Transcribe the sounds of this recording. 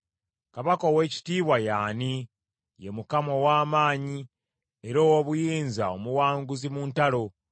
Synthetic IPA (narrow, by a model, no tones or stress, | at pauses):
kaβakowe̞ːci̥tiːβwajaːni | je̞mukamo̞waːmaːɲi | e̞ɾo̞ːwoβujiːnzao̞muwaːŋɡuzimuːntalo̞